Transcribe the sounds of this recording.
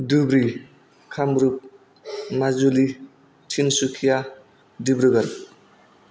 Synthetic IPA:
dubɾi | kʰamɾup̚ | mazuli | tʰinsukʰija | dibɾuɡʌɾ

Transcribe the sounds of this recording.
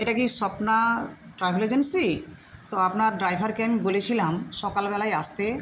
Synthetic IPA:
eʈakiʃɔpnaʈɾajbʱeled͡ʑensit̪oapnaɾɖɾajbʱaɾkembolet͡ɕʰilamʃɔkalbɛlajast̪e

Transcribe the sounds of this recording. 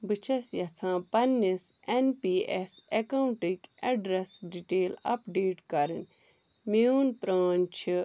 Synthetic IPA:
bɨt͡ʃʰɐsjɐt͡sʰãːpɐnːisenpiːesekɐwɳʈikʲɐɖɾesɖiʈeːlɐ̰pɖeːʈkɐɾɨnʲ | miuːnpɾaːnt͡ʃʰi

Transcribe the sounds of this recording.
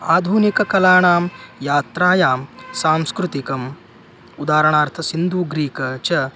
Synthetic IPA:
aːd̪ʱunikɐkɐlaːɳaːmjaːt̪ɾaːjaːmsaːmskɾut̪ikɐm | ud̪aːɾɐɳaːɾt̪ʰɐsind̪ʱuːɡɾiːkɐt͡ʃɐ

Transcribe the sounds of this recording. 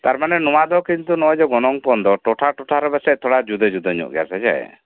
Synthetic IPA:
t̪aɾmanɛnɔwad̪ɔkint̪unɔad͡ʒɔɡɔnɔŋpɔnd̪ɔʈɔʈʰaʈɔʈʰaɾɔbɛsɛt̪ʰɔɽad͡ʒud̪ed͡ʒud̪ɔɲɔ̰ʔɡɛsɛd͡ʒa̰j̰

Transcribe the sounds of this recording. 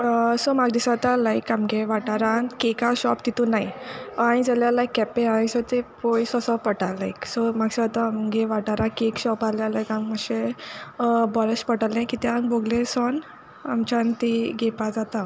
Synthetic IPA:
sɔmaɡd̪isat̪alajkamɡeʋaʈaɾãkekaɕɔpt̪it̪unajaɽ̃id͡zaljalajkːɛpeaɽisɔt̪epojsɔsɔpəʈalaiksɔmaɡsat̪aamɡeʋaʈaɾãkekɕɔpaljalajkamməɕe | bɔɾəspəʈalẽkit̪ɛaŋboɡlesɔn | amt͡ɕant̪iɡepad͡zat̪a

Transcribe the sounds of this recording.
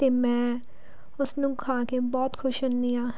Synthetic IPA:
t̪eːmɛ̃ː | ʊsnũkʰaːkebɔːt̪kʰʊʃənːiaː

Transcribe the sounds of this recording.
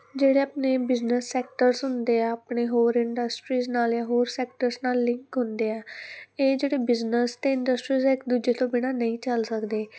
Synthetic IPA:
d͡ʒeːɽeːəpneːbɪznəsːɛːk̚ʈəɾsɦʊnd̪eːɛəpɳeːɦoːɾɪɳɖəsʈɾiːznaːljãːɦoːɾsɛːkʈəɾsnaːlːɪ̃ŋkɦʊnd̪eːɛːeːd͡ʒeːɽeːbɪznəst̪eːɪɳɖəsʈɾiːzɛːɪkd̪uːd͡ʒeːt̪õːbɪɽãːnəĩːt͡ʃəlsəkd̪eː

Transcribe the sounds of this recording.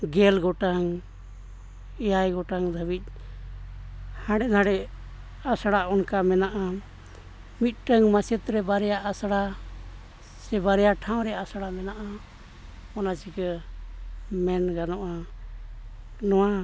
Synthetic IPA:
ɡɛlɡɔʈaŋ | ɛjajɡɔʈaŋd̪ʱəbic̚ˀ | hãɽɛʔnaɽɛ | asɽaɔnkamɛnaʔa | mit̪̚ˀʈəŋmasɛt̪ɾɛbaɾɛjaʔasɽa | sɛbaɾɛjaʈʰaw̃ɾɛasɽamɛnaʔa | ɔnat͡ʃikə | mɛnɡanɔʔa | nɔwa

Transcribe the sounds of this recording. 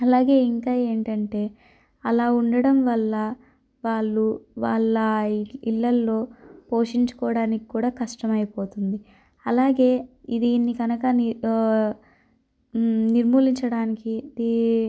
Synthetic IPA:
ɐlaːɡe̞ːiŋkaːe̞ːɳʈɐɳʈe̞ː | ɐlaːuɳɖɐɽɐmʋɐlːɐ | ʋaːɭːuʋaːɭːɐilːɐlːo̞ːpo̞ːʂiɲt͡ʃu̥kɔːɐɽaːniki̥kuːɽaːkɐʂʈɐmɐjɐpo̞ːt̪und̪i | ɐlaːɡe̞ːid̪iːnːikɐnɐkɐn | niɾmuːliɲt͡ʃɐɽaːnikid̪i

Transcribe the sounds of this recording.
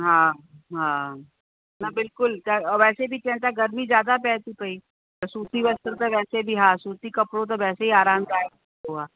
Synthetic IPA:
ɦãɦãː | nabɪlkʊlkaɔʋɛːsebʱit̪ɛ̃ːɳt̪aɡəɾmid͡ʒjaːd̪apɛːt̪ipɐiː | t̪ɾsuːt̪iːʋɐst̪əɾt̪əʋɛːsebʱiɦãsuːt̪ikɐpɽot̪̬ɔʋɛːseɦiaːɾãːnkaːjek | t̪oɦaː

